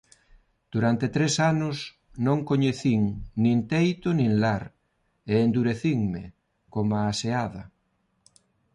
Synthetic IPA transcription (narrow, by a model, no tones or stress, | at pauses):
d̪̥uɾant̪et̪ɾesanʊs | nõŋkoɲeθiŋnĩnt̪ejt̪ʊnĩŋlaɾ | eːnd̪uɾeθiŋmḛ | komaːseaðɐ